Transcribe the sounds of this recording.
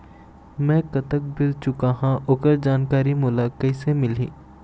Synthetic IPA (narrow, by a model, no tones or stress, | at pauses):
mɛ̃kɐt̪ək̚bɪlt͡ʃʊkaɦãʔoːkəɾd͡ʒaːnkaːɾimʊːlakɐɪsemɪlḭː